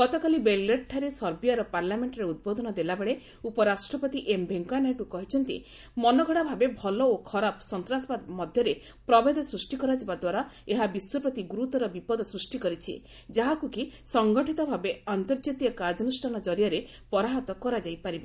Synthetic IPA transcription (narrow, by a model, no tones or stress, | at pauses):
ɡɔt̪ɔkalibelleʈʰaɾesɔɾbijaɾɔpaɾlameɳʈɔɾeud̪̚bod̪ʱɔnɔd̪elabeɭe | upɔɾasʈɾɔpɔt̪iʔembʱeŋkanaʈukɔɦit͡ʃʰɔnt̪ḭ | mɔnɔɡʱɔɽabʱabebʱɔlɔokʰɔɾapɔ̥sɔnt̪ɾasɔbamɔd̪ʱjɔɾe | pɾɔbed̪ɔsɾusʈikɔɾad͡ʒɔbad̪waɾaeɦabiswɔpɾɔt̪iɡuɾut̪ɔɾɔbipɔd̪ɔsɾusʈikɔɾit͡ʃʰi | d͡ʒaɦakukisɔŋɡɔʈʰit̪ɔbʱabeant̪ɔɾd͡ʒit̪iɔkaɾd͡ʒɔnusʈʰanɔd͡ʒɔɾijaɾe | pɔɾaɦɔt̪ɔkɔɾad͡ʒajpaɾibɔ